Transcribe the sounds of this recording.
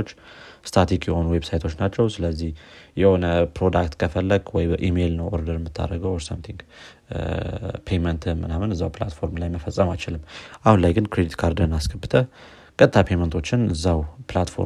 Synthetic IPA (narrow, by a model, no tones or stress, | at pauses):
ot͡ʃːst̪ʰat̪ʰikjɛho̞nuwebsajt̪ʰo̞t͡ʃːnat͡ʃːɛwsɨləzːihjɛho̞nəpɾo̞d̪akt̪kʰəfəlːəɡwɔjbəʔime̞lnəwʔoɾd̪əɾjɛmːɨt̪ʰːa̰ɾːəɡəwɾsəmt̪ʰiŋɡ | pʰejmənt̪ʰmɨnamɨnɨzːawpla̰t̪fo̞ɾmlajməfəsʼːəmajt͡ʃɪlɨmːʔahunlajɡɨnkɾed̪it̪kʰaɾd̪ənaskʰəbːɨt̪ʰə | kʼət̪ʼt̪ːʰapʰejmənt̪ʰo̞t͡ʃːɪnɨzːawplat̪fo̞̰